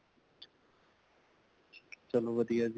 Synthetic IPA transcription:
t͡ʃəloːʋəd̪ijaz

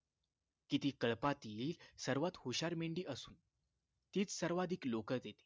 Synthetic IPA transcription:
kit̪iːkəɭpat̪iːlsəɾʋat̪huɕaɾmiɳɖiːʔəsuːn | t̪iːt͡ssəɾʋad̪ʱiːklokət̪et̪i̥

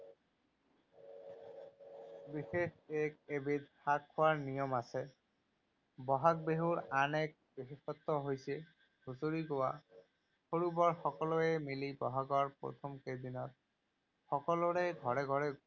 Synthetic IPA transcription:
bixexek̚ebit̪̚hakʰːʊwaɹnijɔmasɛ | bɔɦak̚beɦuɹanɛk̚bexixɔt̪ːɔɦojsɛ | ɡuzoɹiɡowa̰ | xoɹubɔɹxɔkɔlɔɛmilibɔɦaɡɔɹpɹɔ̰t̪ʰɔmked̪inɔt̪̚ | xɔkɔlɔɹɛɡʱɔɹɛɡʱɔɹɛ

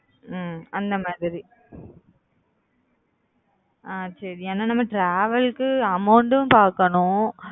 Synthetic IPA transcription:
ɐnd̪ɐmaːðɪɾi | aːsɐɾiɛnːaːnɐmːɐʈɾaːʋɐlkːɯɐmɐʊɳɖpaːɾkɐɳʊ̃

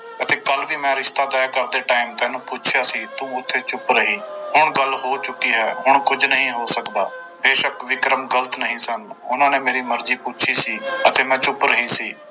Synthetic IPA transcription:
ət̪eːkəlʋiːmɛ̃ːɾɪʃt̪aːt̪ɛːkəɾd̪eːʈaːimt̪ɛ̃ːnũːpuːt͡ʃʰjaːsiːt̪ũːʊt̪ʰːeːt͡ʃʊpɾəɦiːhʊɳɡəlɦoːt͡ʃʊkːiːɦɛːɦʊɳkʊd͡ʒnəɦĩːɦoːsəkd̪aː | beːʃəkʋɪkɾəmɡələt̪nəɦĩːsənʊ̰nãːneːmeːɾiːməɾziːpuːt͡ʃʰiːsiːət̪eːmɛ̃ːt͡ʃʊpɾəɦiːsiː

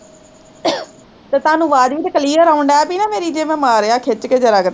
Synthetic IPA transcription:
t̪eːt̪ʊaːnũːʋaːd͡ʒʋiːt̪ːkəliːəɾaːʊɳɖaɛːpiːnaːmeːɾiːd͡ʒeːmɛ̃ːmaːɾeːaːkʰet͡ʃkeːd͡ʒəɾaːɡəɾ

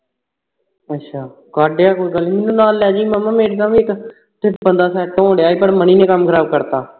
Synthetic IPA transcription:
ətːʃʰaː | ɡaːɖeaːkoːiːɡəlːmeːnũːnaːlːɛːd͡ʒiːmaːmːãːmeːʈːt̪ãːʋĩːɪk | ʈɪpbənd̪aːsɛːʈːõːɖeaːiːpəɽmənĩːnẽːkəmːkʰəɾaːb̚kəɾt̪aː

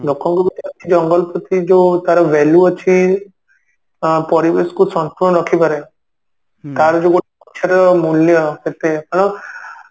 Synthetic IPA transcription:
lokʰɔŋkubit̪iat͡ʃʰid͡ʒɔŋɡɔlpɔt̪id͡ʒot̪aɾɔʋɛluət͡ʃʰi | pɔɾibeskusɔnt̪uɳɔnɔkʰipaɾe | t̪aɾɔd͡ʒoɡoʈɔʃʰaɾɔmuljɔket̪epəɽ̃ɳ̃

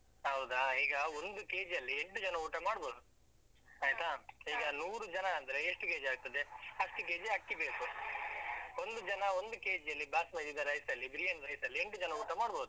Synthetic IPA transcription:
ɦɐwd̪aiːɡɐond̪uke̞ːd͡ʒɐlːieɳʈud͡ʒɐnɐuːʈɐmaːɽboːd̪u | aːjt̪aːiːɡɐnuːɾud͡ʒɐnɐɐnd̪ɐɾe̞eʂʈukeːd͡ʒaːɡ̚t̪ɐd̪e̞ɐʂʈuke̞ːd͡ʒɐkːibeːku | o̞nd̪ud͡ʒɐnɐo̞nd̪uke̞ːd͡ʒɐlːibaːsmɐd̪id̪ɐɾɐjsɐlːibiɾijɐɳɾɐjsɐlːieɳʈud͡ʒɐnɐuːʈɐmaːɽboːd̪u

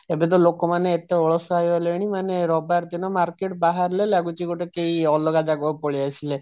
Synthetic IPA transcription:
ebet̪̬ɔlokomaneːt̪eɔɭɔsɔajaleɽ̃imaneɾɔbaɾt̪inɔmaɾkeʈbaɦaɾlelaɡut͡ʃiɡoʈekeiɔlɔɡad͡ʒaɡɔpoɭiasʰile

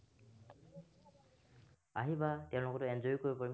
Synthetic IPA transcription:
a̰ɦibatɛʊ̃lʊkɔtʊɛnzɔjkoɹipɔɹim

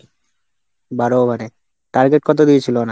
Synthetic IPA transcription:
baɾobʱane | ʈaɾɡeʈ̚kɔt̪̬od̪iet͡ɕʰilona

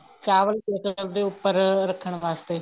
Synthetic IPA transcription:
t͡ʃaːʋəliːkeːsəəld̪eːʊpːəɾɾəkʰːəɳ̃ʋaːst̪eː

